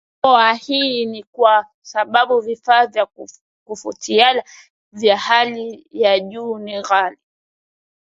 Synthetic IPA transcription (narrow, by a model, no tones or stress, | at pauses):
pɔahinikwa | saɓaɓuvifaːvja | kufutiala | vjahalijaʄuːniɣali